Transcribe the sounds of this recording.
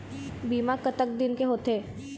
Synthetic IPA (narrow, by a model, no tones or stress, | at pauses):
biːmakət̪ək̚d̪ɪnkeɦoːt̪eː